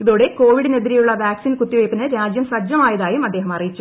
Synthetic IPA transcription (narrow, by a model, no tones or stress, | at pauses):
iðoːɽe̞ko̞ːʋiɽineðiɾijuɭːɐʋaːksiːnkut̪ːiʋɐjpːinɨɾaːd͡ʑjɐmsɐd͡ʑjɐmaːjɐðaːjumɐd̪ːe̞ːɦɐmɐrijit͡ɕːu